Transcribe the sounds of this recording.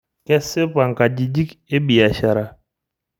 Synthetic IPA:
kɛ˦sɪ˦pa˨ŋka˨ɟi˨d͡ʒi˦ke˦bi˨a˨ʃa˨ɾa˦

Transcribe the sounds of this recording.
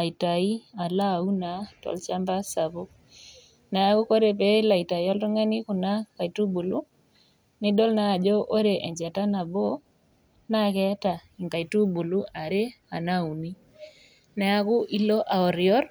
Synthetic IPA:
a˨i˨ta˨i˦a˨la˦˨u˦na˨tɔ̰˨lt͡ʃa˦mba˦sa˨bo˦ | nɛ˨a˦ku˦ko˦ɾe˨pe˦la˨i˨ta˨jɔ˦ltu˦ŋɛ˦ni˦ku˨na˦ka˨i˨tu˦bu˨lu˦ | ni˦dɔ˦lnaː˦˨d͡ʒɔ˦ʔo˦ɾe˨ʔe˨ɲd͡ʒɛ˨ta˦na˨bo˦ | na˦kɛ˦ta˨ | i˨ŋɡa˨i˨tu˦bu˨lu˦ʔa˨ɾe˦a˨na˦u˨ni˦ | nɛ˨a˦ku˦ʔi˦lɔ˦ʔa˨ɔ˨ɾjɔ˦ɾ

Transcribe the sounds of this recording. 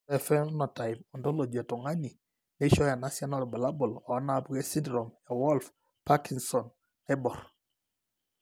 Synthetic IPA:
ɛ˨fɛ˦nnɔ˨ta˨ɪmɔ˨ndɔ˦lo˨d͡ʒa˨tɔ˨ŋa˦ɲi˨ | ne˦ʃɔ˦ja˨na˦sja˦nɔ˦ɾba˨la˦bɔ˨lɔ˨˦na˨pɡe˦si˦ndɾɔ˨mja˨wɔ˦lf | pa˦ki˨ŋsɔ˨n | ɛ˦bɔ˨ɾ

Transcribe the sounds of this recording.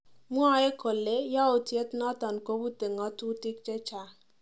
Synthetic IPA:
m˦ɔ˦e˦ko˨le˦jɔ˦o˨tje˦tnɔ˦tɔ˨nko˦bu˦te˨ŋɔ˦tu˦tɪ˦k̚t͡ʃe˦t͡ʃa˨

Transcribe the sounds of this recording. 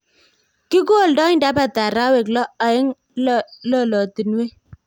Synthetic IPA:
ki˦ko˦˨ldɔ˦nda˨˦pa˨ta˨ɾa˦we˨k̬lɔ˦a˨ɪ˦ŋ | llɔ˦˨lɔ˨ti˨nwe˦

